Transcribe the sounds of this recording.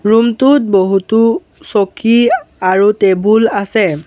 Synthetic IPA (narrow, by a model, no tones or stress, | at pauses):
ɹumtut̚boɦutu | sokʰiaɹutebulasɛ